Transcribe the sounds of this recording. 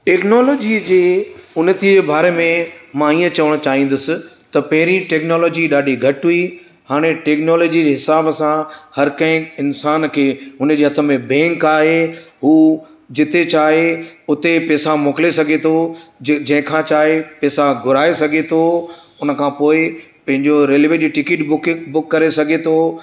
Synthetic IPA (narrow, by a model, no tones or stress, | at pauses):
ʈeːknɔːloːd͡ʑid͡ʑeːʊnət̪id͡ʑeːbaːɾemẽmãiːə̃t͡ɕɐʋəɽ̃ʊt͡ɕaːɦĩːn̆d̪ʊsɪ̆t̪ɐpɐɦɪɾĩʈeːknɔːlɔːd͡ʑiɗaːɗiɡʱɐʈɦui | haːɽ̃eʈɛːknɔːloːd͡ʑid͡ʑeɦɪsaːbsãhɐɾkɐ̃ɦɪ̃ɪnsaːnkʰeːʊn̤əd͡ʑeːɦɐt̪ʰə̆mẽbɛ̃ːŋkaːɦeɦuː | d͡ʑɪt̪et͡ɕaːɦeʊt̪epɛːsamoːkɪlesɐɡʱet̪ʰod͡ʑɐ̃ɦɪ̃kʰãːt͡ɕaːɦepɛːsaɡʱʊɾaːesɐɡʱet̪ʰo | ʊnə̆kʰãːpoːɪ | pɐ̃ɦɪ̃ɲd͡ʑoɾeːlʋeʄiːʈɪkɪʈbʊkbʊkːɐɾesɐɡʱet̪ʰoː